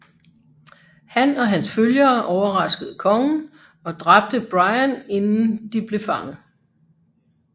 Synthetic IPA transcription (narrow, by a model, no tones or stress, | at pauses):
hænɒ̽ɦænsføljɐʔɒʊɐʁɑ̈sɡ̥əð̞̩ˠəkʰɒ̽ŋən̩ | ɒ̽d̥ʁɑ̈b̥̚d̥əb̥ʁɑ̈ɪæne̝nn̩d̥ib̥le̝fɑ̈ŋð̩ˠ